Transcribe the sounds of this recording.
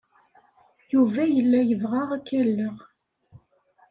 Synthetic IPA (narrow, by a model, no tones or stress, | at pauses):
juvæjəlːæjəvʁaʁækːælːəʁ